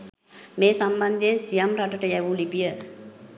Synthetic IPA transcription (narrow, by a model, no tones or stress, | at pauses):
meːsamband̪ejensijamɾaʈəʈəjɛʋulipijə